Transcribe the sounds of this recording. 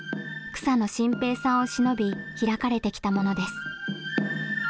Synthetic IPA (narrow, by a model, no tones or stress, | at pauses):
kɯ̟̥sano̞ɕĩmpe̞ːsãɰ̃o̞ɕino̞bʲiçiɾakaɾe̞t̪e̞kʲi̥t̪amo̞no̞d̪e̞sɨ̥